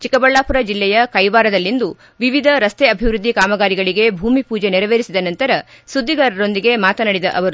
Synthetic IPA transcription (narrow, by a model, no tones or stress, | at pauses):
t͡ʃikɐbɐɭːaːpuɾɐd͡ʒilːɛjɐkɐjʋaːɾɐd̪ɐlːind̪u | ʋiʋid̪ʱɐɾɐst̪eɐbʱiʋɾud̪ʱːikaːmɐɡaːɾiɡɐɭiɡe̞bʱuːmipuːd͡ʒe̞niɾɐʋeːɾisid̪ɐnɐnt̪ɐɾɐ | sud̪ʱːiɡaɾɐɾo̞nd̪iɡe̞maːt̪ɐnɐɽid̪ɐ̰ʔɐʋɐɾu